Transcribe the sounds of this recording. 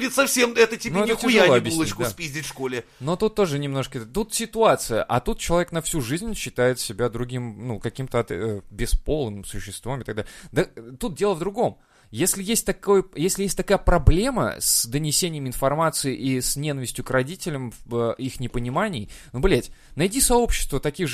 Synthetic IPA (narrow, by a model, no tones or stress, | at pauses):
dʲɪt̪sɐfsʲemɛt̪ətʲinʲoɛnʲɪxt̪ʲɪʊjʐaɨoɐbbjɪslʲnˠəkʊspʲizʲdʲɪtʲfʂkolʲɪ | no̞t̪ut̪ːo̞ʐɨnʲɪmno̞ʂkət̪ut̪sʲɪt̪ʊat̪sɨjə̰ʔɐt̪ut̪̚t͡ɕɪlˠɐvʲek̚nɐfsʲuʐɨzʲnʲɕːɪt̪ajɪt̪sʲɪbʲad̪ɾʊɡʲimnukɐkʲimt̪əɐt̪bʲɪspo̞lˠnɨmsʊɕːɪst̪vamɪt̪ɐɡd̪a̰lʲɪd̪ət̪ut̪̚dʲe̞lˠəvd̪ɾʊɡo̞m | jesʲlʲɪjesʲt̚ʲt̪ɐkojjesʲlʲɪjesʲtʲt̪ɐkajəpɾɐblʲe̞mə̰sd̪ənʲɪsʲenʲɪjəmɪnfɐrmat̪sɨɪʔisnʲe̞nəvʲɪsʲtʲjʊkrɐdʲitʲɪlʲəmvəixnʲɪpənʲɪmanʲɪjnublʲetʲnɐjdʲisɐo̞pɕːɪ̥st̪vət̪ɐkʲiɣʐ